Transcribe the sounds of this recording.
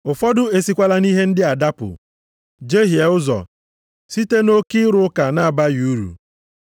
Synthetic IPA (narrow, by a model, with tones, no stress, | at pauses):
ʊ˨fɔ˦dʊ˦e˨si˦kʷa˦la˦ni˦ɦe˦n̩˦dɪ˦a˨da˦pʊ̰˨ | d͡ʒe˦ɦje˨ʊ˦zɔ̰˨ | si˦te˦no˦ki˦ɾʊ˦ka˨na˦˨ba˦ju˨˦ɾṵ˨